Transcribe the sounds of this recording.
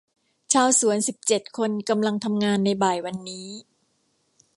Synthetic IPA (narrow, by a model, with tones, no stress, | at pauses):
t͡ɕʰaː˧wsu˨˩˦ənsi˨˩p̚t͡ɕe˨˩t̪̚kʰo˧nka˧mla˧ŋt̪ʰa˧mŋaː˧nːa˧jbaː˨˩jwa˧nːiː˦˥